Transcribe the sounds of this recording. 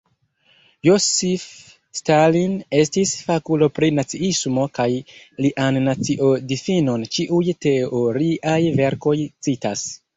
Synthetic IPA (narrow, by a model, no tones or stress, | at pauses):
josif | staline̞stisfakulo̞pɾinat͡siismo̞kajliʔanːat͡siʔo̞difino̞nt͡ʃiʔujte̞o̞ɾiʔajve̞ɾko̞jt͡sitas